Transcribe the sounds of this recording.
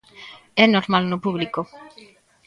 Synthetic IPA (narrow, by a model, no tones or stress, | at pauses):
ɛnoɾmalnopuβliko